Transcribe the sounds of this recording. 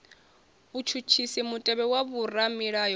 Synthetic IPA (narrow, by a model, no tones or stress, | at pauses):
βut͡ʃʰut͡ʃʰisimutʼɛβɛwaβuramiɺajɔ